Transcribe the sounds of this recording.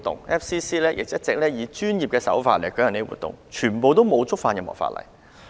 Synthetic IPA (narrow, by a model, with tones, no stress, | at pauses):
t̪ːʊ̰˨ŋʔɛː˥fsiː˥siː˥lɛː˥jʔɪ̰˨k̚jɐ˥t̚t͡sɪ˨k̚lɛː˥jiː˨˧t͡ʃyː˥njiː˨p̚kɛː˧sɐ̰˨˥wfaː˧t̚lɐ˨˩kjɐ˨˩ne˥wṵː˨t̪ːʊ̰˨ŋt͡ʃʰyː˨˩npo˨˧wt̪o˥wmo˨˧wt͡sʊ˥k̚faː˧njkɐ˨˩mɔ̰˨˩fa̰ː˧tlɐ̰˨˩j